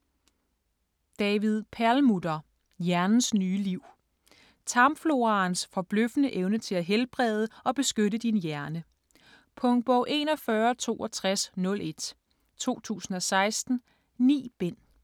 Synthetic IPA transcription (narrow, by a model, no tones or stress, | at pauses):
d̥ɛːʋið̞ˠpʰæɐlmud̥ɐ | jæɐnn̩snyːliʊ̰ | t͡sʰɑ̈mflo̝ʁɑ̈ːnsfɒ̽b̥løfənəʔeʊnət͡sʰe̝læɦelb̥ʁɛð̞ˠəɒ̽b̥e̝sɡ̥øɾəd̥injæɐnə | pʰɔ̽ŋ̚b̥ɔʊʔe̝̰ːnɒ̽fɶːɐt͡sʰo̝̰ːɒ̽t͡sʰʁasnɔ̽lʔe̝d̥ | t͡sʰo̝̰ːt͡sʰṵːsn̩ɒ̽sɑ̈ɪsd̥n̩ | nḭːb̥en̰